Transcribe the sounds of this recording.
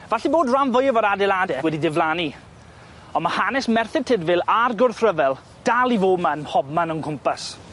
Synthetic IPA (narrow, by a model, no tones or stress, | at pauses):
vaɬiboːdramvʊjəvɔɾadɛlˠadɛwɛdidɪvlˠaːni | ɔmahanɛsmɛrθɪd̚tʰɪdvɪlˠarɡʊrθrəvɛlˠ | d̥alˠivoːmanhɔb̚manənkʰʊmpas